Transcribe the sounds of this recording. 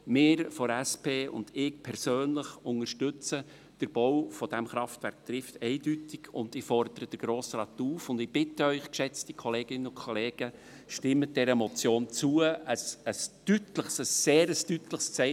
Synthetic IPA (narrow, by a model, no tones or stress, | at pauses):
mɪːɾfɔæspʰeːʊ̰ndɪk̚pʰɛɾsøːnləχʊŋəɾʃtʏt͡sə | d̥əɾb̥ɔwfɔd̥æmχɾɑftvæɾkt̪rɪftɛɪdytɪɡ̥ʊ̰ndɪfɔrd̪əɾəd̥əɾɡ̥ɾoːsrɑːt̪uːfʊnd̥ɪb̥ɪtəœʏχkʃɛt͡stikʰɔleːɡɪnəʊnkʰɔleːɡ̥ə | ʃtɪmːəd̥ɛɾəmɔt͡sjoːnt͡suəəsəstytləχsəsːeːɾəstytləχst͡sɛɪ